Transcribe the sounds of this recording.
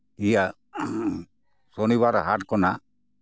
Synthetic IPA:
ija | soniβaɾɦaʈkɔna

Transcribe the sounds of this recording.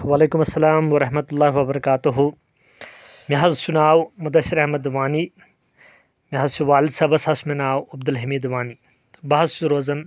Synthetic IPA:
waːleːkumɐsːɐlaːmwɐɾɐɦmɐt̪ulːaːɦwɐbɐɾɐkaːt̪uɦu | mʲɐɦɐzsunaːwmɐd̪ɐsiɾɐhmɐd̪ʋaːni | miɦɐzsuʋaːld̪sɐbɐsɐsmɐnaːwɐb̚d̪ɐlɦɐmiːd̪ʋaːni | bɐɦɐzsuɾoːzɐn

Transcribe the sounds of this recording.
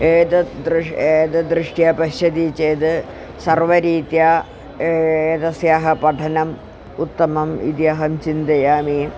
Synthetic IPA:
eːd̪ɐd̪ɾʂeːd̪ɐd̪ɾɨʂʈjaːpɐɕɐd̪it͡ɕːeːd̪ɨ | sɐrʋɐɾiːd̪jaː | eːd̪ɐsjaːɦɐpɐʈʰɐnɐm | ut̪ːɐmɐmḭd̪jaːɦɐmt͡ɕind̪ɐjaːmi

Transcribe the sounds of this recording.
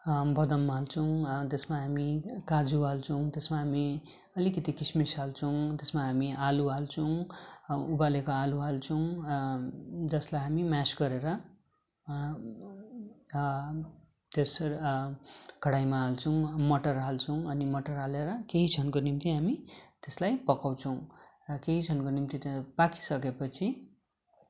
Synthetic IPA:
bʌd̪ʌmːalt͡sʰʌw̃t̪esmaɦamikad͡zualt͡sʰʌw̃t̪esmaɦami | ʌlikʌt̪ikismisalt͡sʰʌw̃t̪esmaɦamiʔaluɦalt͡sʰʌw̃ | ubalekoaluɦalt͡sʰʌw̃ | d͡zʌslajɦamimasɡʌɾeɾʌ | t̪es | kʌɽajmaːlt͡sʰʌw̃mʌʈʌrɦalt͡sʰʌw̃ʌnimʌʈʌrɦaleɾʌkeɦit͡sʰʌnkonimt̪iɦamit̪eslajpʌkaw̃t͡sʰʌw̃rʌkeɦit͡sʰʌnkonimt̪it̪paki̥sʌkepʌt͡sʰi

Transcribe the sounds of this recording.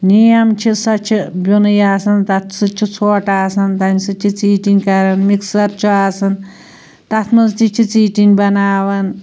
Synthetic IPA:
nijɐmt͡ʃʰisɐt͡ʃʰibʲunɨjaːsɐnt̪ɐt̪ʰsɨt͡ʃʰit͡sʰoːʈaːsɐnt̪ɐmʲsɨt͡ʃʲʰit͡siːʈinʲkɐɾɐnmiksɐɾt͡ʃʰuaːsɐn | t̪ɐt̪ʰmɐst͡ʃit͡ʃʰit͡siːʈinʲbɐnaːʋɐn

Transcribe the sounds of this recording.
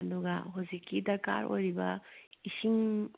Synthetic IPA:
duɡa̰ɦuzikʰːidɐɾka̰ɾʔo̰jɾibɐisiŋ

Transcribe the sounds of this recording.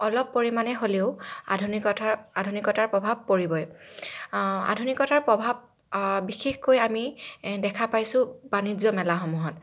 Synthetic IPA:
ɔlɔpːoɹimanɛɦoleʊa̰dʱunikɔtaadʱunikɔtaɹpɹɔbʱab̚koɹibɔj | a̰dʱunikɔtaɹpɹɔbʱab̚ | bixexkojamidɛkʰapajsʊ̃banizɔmɛlaɦɔmuɦɔt

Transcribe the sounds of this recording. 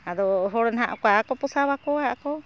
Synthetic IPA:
ad̪ɔɦɔɽɔnɦaʔkakɔpɔsawakɔhaʔkɔ

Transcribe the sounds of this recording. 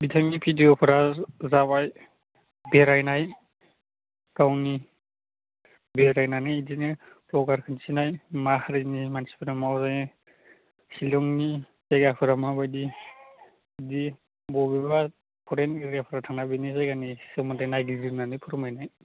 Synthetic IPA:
bitʰamipʰidijɔpʰɯɾazabaj | beɾajnaj | ɡ̥awni | beɾajnanɯjidinɯ | pʰlɔɡaɾkʰɯnsʰinajmahaɾinimansi̥pʰiɾamawzaj | silɔŋni | zajɡapʰɯɾamabajdi | di | bɔbiba | pʰɔɾentiɾijapʰɾatʰaŋnabinizajɡanisɯmadajnajɡizɯɾnanɯjpʰuɾmajnaj

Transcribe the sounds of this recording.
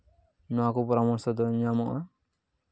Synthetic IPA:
nɔwakɔpɔɾamɔɾsɔd̪ɔɲamɔʔa

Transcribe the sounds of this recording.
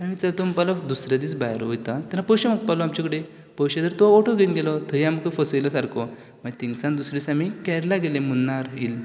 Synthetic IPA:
aɽmiːt͡salt̪ompalad̪usɾjad̪it͡sbajɾɦojt̪at̪anːapəwɕemək̚t̪̚palɔamt͡ɕakəɽe | pəwɕed̪əɾt̪ɔoʈʰɔɡenɡelɔt̪ʰəɦiamkəfəsəjlɔsaɾkʰɔ | mat̪iŋɡsãnd̪usɾisamikɛɾlaɡelẽmunːaɾɦil

